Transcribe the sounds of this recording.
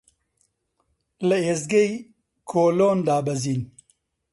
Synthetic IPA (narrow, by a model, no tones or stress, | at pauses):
lɐezɡej | kʰoːloːnd̪aːbɐziːn